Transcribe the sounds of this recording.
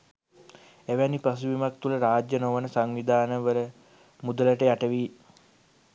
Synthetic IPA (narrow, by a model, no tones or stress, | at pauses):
eʋænipas̬uʋimak̚t̪uləɾaːd͡ʒjənoʋənəsaŋʋid̪ʱaːnəʋələ | mud̪ələʈəjaʈəʋiː